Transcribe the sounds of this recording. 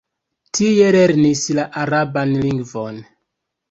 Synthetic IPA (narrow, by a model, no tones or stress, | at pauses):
tʰijeɾeɾnislaʔaɾabanliŋɡvon